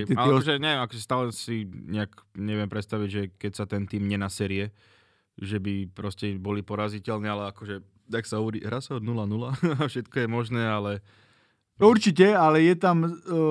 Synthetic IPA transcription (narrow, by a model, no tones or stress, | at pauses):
ɛaɔʒɛɲɛʋjɛmakɔʒɛst̪aːlɛsiɲɛakɲɛʋɪɛmpɾɛt̪st̪aʋiɟʒɛkɛcsat̪ɛnt̪iːmɲɛnasɛɾijɛ | ʒɛbipɾɔscɛbɔlipɔɾazicɛlnɛalɛakɔʒɛ | t̪aksaɦɔʋɔɾḭːɦɾasaɔd̪nulanulaafʃɛt̪kɔjɛmɔʒnɛːalɛ | uɾt͡ʃicɛalɛjɛt̪am